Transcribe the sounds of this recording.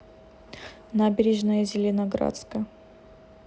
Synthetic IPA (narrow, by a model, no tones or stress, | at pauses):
nabʲɪɾʲɪʐnəjəzʲɪlʲɪnɐɡɾa̰t̪skə